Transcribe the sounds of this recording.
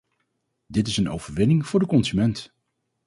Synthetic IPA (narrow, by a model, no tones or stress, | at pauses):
dɪtɪsəno̰wvəɹʋɪnɪŋv̥ʊːɹdəkɔnzymɛnt